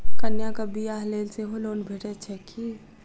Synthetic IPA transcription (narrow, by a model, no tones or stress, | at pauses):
kɐnjakabijaːɦleːlseɦoloːnbʱeʈet͡ʃʰɛki